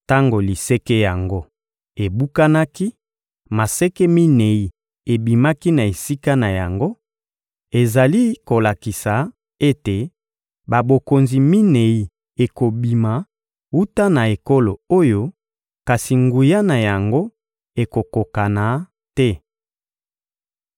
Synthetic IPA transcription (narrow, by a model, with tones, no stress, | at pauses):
ta˦ŋɡo˨li˨se˦ke˦ja˨ŋɡo˦ | e˨bu˦ka˦na˦ki˦ | ma˨sɛ˦ke˦mi˦ne˨i˨ | e˨bi˨ma˦ki˦na˨e˨si˦ka˦na˨ja˨ŋɡo˦ | e˨za˨li˦ko˨la˨ki˨sa˨ | e˦te˨ | ba˨bo˨ko˨nzi˨mi˦ne˨i˨ | e˨ko˨bi˨ma˨ | u˦ta˦na˨e˨ko˦lo˨o˦jo˦ | ka˨si˨ŋɡu˨ja˦na˨ja˨ŋɡo˦ | e˨ko˨ko˨ka˨na˨ | tɛ˦